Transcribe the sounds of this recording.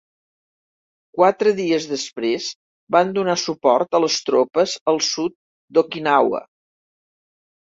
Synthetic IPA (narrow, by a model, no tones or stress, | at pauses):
kwat̪ɾəðiəzðəspɾez | band̪unasupɔɾt̪ələst̪ɾopəzəlˠsut̪̚ | d̪okinawə̰